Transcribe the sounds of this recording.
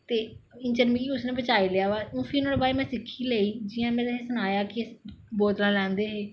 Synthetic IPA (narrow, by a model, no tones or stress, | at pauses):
t̪eːɪnt͡ʃəɾmiːkiʊsnẽːbət͡ʃaːiːleaːʋaːũːfʰiːnãːebaːɾeːmɛ̃ːsɪkʰːiːleːiːd͡ʒɪãːmɛ̃ːesʊnaːjaːkɪboːt̪lãːlɛ̃ːnd̪eːɦeː